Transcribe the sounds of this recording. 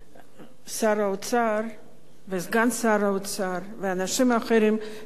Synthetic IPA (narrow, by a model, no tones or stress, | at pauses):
saɾaut͡saɾ | vesɡansaɾaot͡saɾveanaʃimaχeɾim